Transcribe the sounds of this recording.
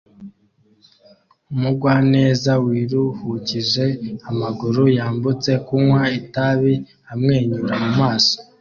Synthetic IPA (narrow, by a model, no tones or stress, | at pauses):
umuɡwaːne̞ːzawiːɾuhuciʒe̞amaɡuɾujaːmbut͡se̞kuwaitaβi | amŋe̞ːɲuɾamumaːso̥